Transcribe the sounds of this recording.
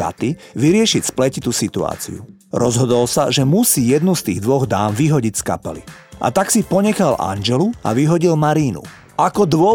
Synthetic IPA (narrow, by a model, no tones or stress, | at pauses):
a̰t̪iʋiɾɪɛʃicsplɛcit̪usit̪ua̰ːt͡sḭṵ | ɾɔzɦɔd̪ɔlsaʒɛmusiːjɛd̪nust̪ḭːɣd̪ʋɔɣd̪aːmʋiɦɔɟicska̰pɛlḭ | ʔa̰t̪aksipɔɲɛxalʔa̰nd͡ʒɛlua̰ʋiɦɔɟilmaɾiːnṵ | akɔd̪ʋɔ